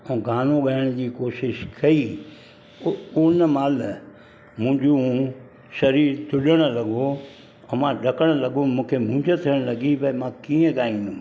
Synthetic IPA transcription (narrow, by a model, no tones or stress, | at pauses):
ɛ̃ːɡaːnoɠɐəɽ̃d͡ʑiːkoːʃɪʃkɐi | ʊnəmaːl | mʊ̃ɲd͡ʑũ | sɐɾiːɾt̪ʰʊɗəɽ̃lɐɡo | ɐmãɖʱɐkəɽ̃lɐɡomũːkʰemʊ̃ːɲd͡ʑot̪ʰiəɽ̃lɐɡibɐmãkiːə̃ɡaːĩːnd̪ũ